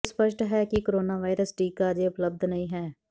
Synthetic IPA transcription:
spəʃʈɦɛːkɪkoɾoːnaːʋaːɪɾəsʈiːkaːd͡ʒ̪eːʊpləb̚d̪nəĩːɦɛː

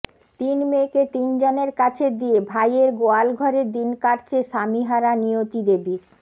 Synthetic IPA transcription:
t̪inmeket̪ind͡ʑoneɾkat͡ɕʰed̪iebʱajeɾɡoalɡʱɔɾed̪inkaɾt͡ɕʰeʃamiɦaɾaniot̪id̪ebiɾ

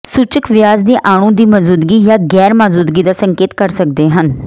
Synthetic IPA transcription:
suːt͡ʃəkʋɪjaːzd̪iːʔaːɽ̃ũːd̪iːməzuːd̪ɡiːjaːɡɛːɾmaːzuːd̪ɡiːd̪aːsəŋkeːt̪kəɾsək̚d̪eːɦən

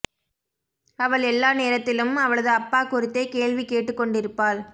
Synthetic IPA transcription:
ɐʋɐɭɛlːaːneːɾɐt̪ːɪlɯmɐʋɐɭɐðɯɐpːaːkʊɾɪt̪ːeːkeːɭʋikeːʈːɯkːɔɳɖɪɾɯpːaːl

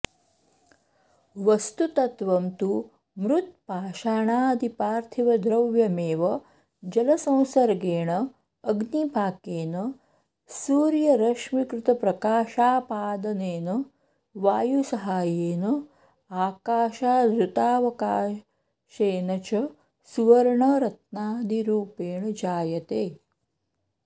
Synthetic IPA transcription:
ʋɐst̪ut̪ɐt̪ʋɐmt̪u | mɾut̪̚paːʃaːɳaːɐd̪ipaːɾt̪ʰiʋɐd̪ɾɐʋjɐmeːʋɐ | d͡ʒɐlɐsɐ̃w̃sɐɾɡeːɳɐː | ɡnibʱaːkeːnɐ | suːɾjɐɾɐʂmikɾut̪ɐpɾɐkaːʃaːpaːd̪ɐneːnɐ | ʋaːjusɐɦaːjeːnɐ | aːkaːʃaːd̪ɾut̪aːʋɐkaː | ʃeːnɐt͡ʃɐ | suʋɐɾɳɐɾɐt̪̚naːd̪iɾuːpeːɳɐd͡ʒaːjɐt̪eː

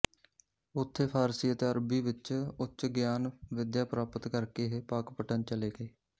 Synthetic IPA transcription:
ʊt̪ʰːeːpʰaːɾsiːət̪eːəɾbiːʋɪt͡ʃʊtʃɡjaːnʋɪd̪jaːpɾaːpət̪kəɾkeːɦeːpaːkpəʈənt͡ʃəleːɡəeː

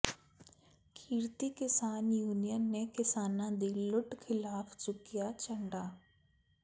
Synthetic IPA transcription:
kʰiːɾt̪iːkɪsaːnjuːnijənːeːkɪsaːnãːd̪iːlʊʈkʰɪlaːfʰsʊkɪjaːt͡ʃəɳɖaː

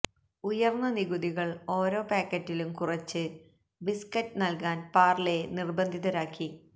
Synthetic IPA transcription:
ujɐrnːɐniɣuðiɣɐɭo̞ːɾo̞ːpaːkːɐtːilumkurɐt͡ɕːɨ | biskɐtːɨnɐlkaːnpaːrle̞nirbɐnd̪ʱiðɐɾaːkːi

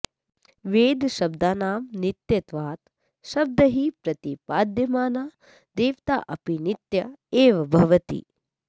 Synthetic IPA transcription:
ʋeːd̪ʱʃɐb̚d̪aːnaːmnit̪jɐt̪ʋaːt̪ | ʃɐb̚d̪ɐɦipɾɐt̪ipaːd̪ʱjɐmaːnaː | d̪eːʋt̪a̰ːʔɐpinit̪jɐeːʋɐbʱɐʋɐt̪ḭ

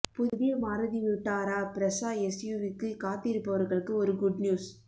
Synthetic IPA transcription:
pʊððɪjɐmaːɾɐðiʋɪʈːaːɾaːpɪɾɐsaːɛsjuːʋɪkːɯkaːt̪ːɪɾɯpːɐʋɐɾɣɐɭɯkːɯɔɾɯɡʊɖnjuːs

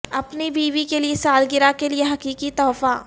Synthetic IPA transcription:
ɐpnibiːʋikeliesaːlɡɪɾakelieɦɐkiːkit̪ɔːfa

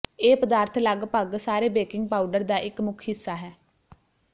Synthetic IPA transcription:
eːpəd̪aːɾt̪ʰlaɡpəɡsaːɾeːbeːkɪŋɡ̚paːuɖəɾd̪aːʔɪkmʊkʰɦɪsːaːɦɛː

